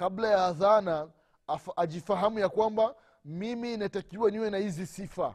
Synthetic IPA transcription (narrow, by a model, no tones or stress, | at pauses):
kablajaːðana | fːʄifaɦamujakwamba | miminatakiwaniwɛnahizisifa̰